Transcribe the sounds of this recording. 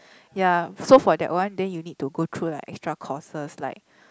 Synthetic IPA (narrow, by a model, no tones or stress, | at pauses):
jasofɔdɛ̰ʔ̚wãndɛ̃njunid̚tuɡot̪ʰɹulaɪkɛ̰kstɹakʰɔsəslaɪk̚